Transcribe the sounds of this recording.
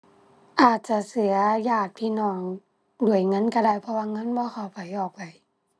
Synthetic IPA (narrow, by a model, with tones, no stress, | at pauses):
ʔaː˨˩t̪̚t͡ɕa˧˩sɯ˨˩˦ɐjaː˧˩t̪̚pʰiː˧˨nɔː˧˩ŋ | du˧˩əjŋɤ˧˥˨nka˧daː˧˩˨jpʰɔ˧waː˧ŋɤ˧˥˨nbɔː˧˦xa˧˨˩wpa˨˩jʔɔː˨˩k̚pa˨˩j